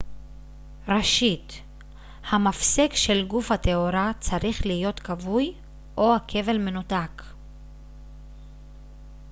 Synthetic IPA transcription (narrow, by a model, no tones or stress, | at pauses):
ʁeʃit | hamafsekʃe̞lɡufhateoɾat͡saʁiχlijo̞tkavuj | ʔo̞hakʰe̞ve̞lme̞nutak